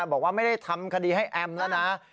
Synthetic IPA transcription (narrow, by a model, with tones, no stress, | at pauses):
bɔː˨˩kwaː˥˩ma˥˩jda˥˩jt̪ʰa˧mkʰa˧diː˧ɦa˥˩jʔɛ˧mlɛ˦˥wna˦˥